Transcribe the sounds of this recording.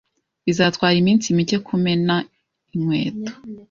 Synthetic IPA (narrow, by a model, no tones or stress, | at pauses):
βizatwaːɾimiːnsimice̞kʰume̞na | imwe̞ːto̥